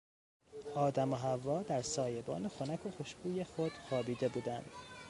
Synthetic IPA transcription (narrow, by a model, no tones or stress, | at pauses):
ɒːd̪æmoɦævːɒːd̪æɾsɒːje̞bɒ̰ːnexonækʰo̞xo̞ʃɡuːjexo̞d̪̥xɒːbiːd̪e̞buːd̪ænd̪̥